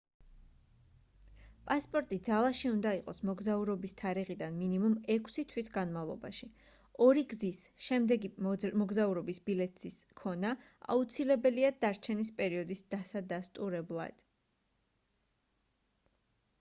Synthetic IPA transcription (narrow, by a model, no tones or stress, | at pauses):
pʼaspʼɔɾt̪ʼid̪zalˠaʃiund̪aiqʼɔsmɔɡzauɾɔbist̪ʰaɾiʁid̪anminimumɛkʰʼsit̪ʰwisɡanmavlˠɔ̰baʃi | ɔɾiɡzisʃɛmd̪ɛɡimɔɡzauɾɔbisb̥ilɛt̪ʰiskʰɔna | a̰ut̪sʰilɛbɛliad̪̥aɾt͡ʃʰɛnispʼɛɾiɔd̪isd̪̥asad̪ast̪ʼuɾɛblˠa̰d̪̥